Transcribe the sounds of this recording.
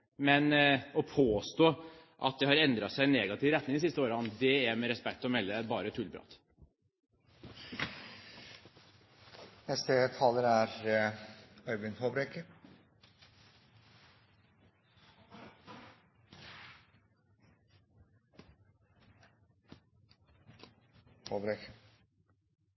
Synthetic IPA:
mɛnɔpʰoːst̪oːʔɑ̰t̪̚d̪ɛhɑɾɛnd̪ɾɑsæɪɛnːɛɡɑt̪ʰiːʋɾɛt̪nɪŋd̪ɪsɪst̪əoːɾəɑnd̪ɛæɾmɛɾɛspɛkt̪ɔmɛlːəbɑːɾət̪ʰʉlbɾɑ̰ːt̪ | nɛst̪ət̪ʰɑːləɾæɾ | œʏʋɪnhoːbɾekə | hoːbɾɛkə

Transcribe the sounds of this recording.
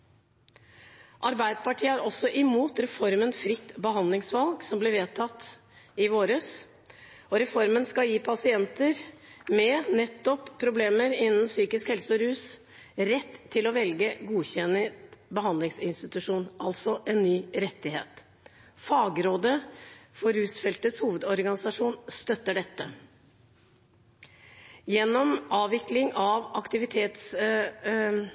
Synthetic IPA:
ʔɑɾbæɪd̪əpɑʈʰiːəæɾɔsːɔʔɪmuːt̪ɾɛfɔɾmənfɾɪt̪ːbəɦɑnd̪lɪŋsʋɑlɡsɔmblɪɾʋeːt̪ʰɑt̪ː | ɪʋoːɾəs | ɔɾɛfɔɾmənskɑjiːpʰɑsɪɛnt̪əɾmɛnɛt̪ːɔpʰːɾʊbleːməɾɪnːn̩syːkɪskhɛlsəɔɾʉːs | ɾɛt̪ʰːɪlɔʋɛlɡəɡuːçɛnːəbəɦɑnd̪lɪŋsɪnst̪ɪt̪ʉʂuːnɑlt̪sɔʔɛnːyːɾɛt̪ːɪhḛːt̪ | fɑːɡɾoːd̪əfɔɾhʉːsfɛlt̪əshuːʋəd̪ɔɾɡɑnɪsɑʂuːnst̪œt̪ːəɖɛt̪ːə | jɛnːɔmɑːʋɪklɪŋɑʋɑkt̪ɪʋɪt̪ʰeːt̪s

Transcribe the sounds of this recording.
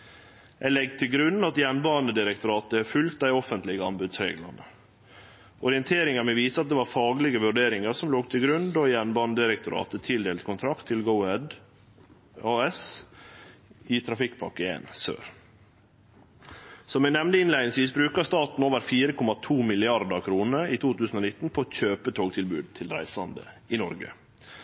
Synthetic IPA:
ʔæɪlɛɡt̪ʰɪlɡɾʉnːɑt̪jɛnbɑːnd̪əd̪ɪɾək̚t̪ʊɾɑːt̪əfʉlkt̪̚d̪æɪɔfənt̪lɪɡəɑ̰mbʉd̪sɾḛːɡlə̰nə | ʔɔɾɪənt̪ʰeːɾɪŋɑɾmɛʋiːsəɑt̪̚d̪ɛʋɑːɾfɑːɡlɪɡəʋʉɖeːɾɪŋəɾsɔmloːɡt̪ʰɪlɡɾʉnd̪ojɛnbɑːnəd̪ɪɾɛk̚t̪ʊɾɑ̰ːt̪ət̪ʰɪld̪eːlt̪kʊnt̪ʰɾɑkt̪ʰːɪlɡəʊhɛd̪ | ɑːɛs | ɪt̪ʰɾɑfɪkːpʰɑ̰kːəḛːnsø̰ːɾ | sɔmænɛmnd̪əɪnlæɪd̪ɪŋsʋiːsbɾʉːkɑst̪ɑːt̪n̩oːʋəɾfiːɾəkʰɔmɑt̪ʰuːmɪlɪɑɾd̪əɾkʰɾuːnəiːt̪ʰuːt̪ʉːsn̩oːnɪt̪ːn̩pʰoçøːpət̪ʰoːɡt̪ʰɪlbʉːd̪̚t̪ʰɪlɾæ̰ɪsɑnd̪ə̰ɪnɔɾɡə̰

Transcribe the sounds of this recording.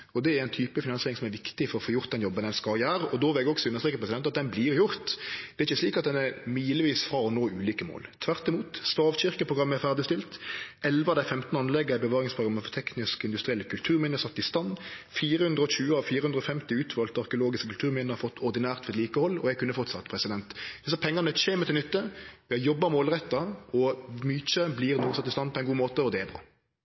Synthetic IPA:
ɔd̪ɛæɾɛɪnt̪ʰyːpəfɪnɑnseːɾɪŋsɔmæɾʋɪkt̪ɪfɔɾɔfoːjʊʁt̪̚d̪ɛnjɔbːənɛnskɑɾjæːɾɔd̪oːʋɪlɛɡɔksɔʉnːəst̪ʁeːkəpɾɛsɪd̪ɛnt̪ɑt̪̚d̪ɛnbliʁjʊɾt̪d̪ɛɾɪçːəsliːkɑt̪̚d̪ɛnæɾmiːləʋiːsfɾɑɔnoːʉːliːkəmo̰ːlt̪ʰʋæʁt̪ɪmuːt̪st̪ɑːʋɕɪʁkəpʰɾʊɡɾɑmːəæfæʁd̪ɪst̪ɪlt̪ɛlʋəɑʋd̪æɪfɛmt̪nɑnlɛɡːəæɪbəʋɑːɾɪŋspɾʊɡɑmːəfɔɾt̪ʰɛknɪskɪnd̪ʉst̪ɾɪɛlːəkʰʉlt̪ʰʉːɾmɪnəsɑt̪ːɪst̪ɑnːfiːɾəhʉnd̪ɾəɔɕʉːəɑʋfiːɾəhʉnd̪ɾəɔfɛmt̪ɪʉːt̪ʰʋɑːlt̪ɑʁkəʊloːɡɪskəkʰʉlt̪ʰʉːʁmɪnəhɑfɔt̪ʰːɔʁd̪ɪnæːʁt̪ʋɛɛt̪liːkəhɔlːɔ̰jɛɡkʉnːəfɔʁt̪sɑt̪ːpʰʁɛsɪd̪ɛnt̪d̪ɪsɑpʰɛŋːɑnət͡ʃeːmət̪ɪlʏt̪ːəʋɪɑjɔbːɑmoːlʁɛt̪ːɑɔmyːt͡ʃəblɪʁnuːsɑt̪ːɪst̪ɑnpʰɔɛnɡuːmoːt̪əɔd̪ɛɛbʁɑ̰ː

